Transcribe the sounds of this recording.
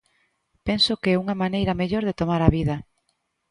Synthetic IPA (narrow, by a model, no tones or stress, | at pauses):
pɛnsokeɛuŋɐmanejɾɐmeʎoɾðet̪omaɾɐβiðɐ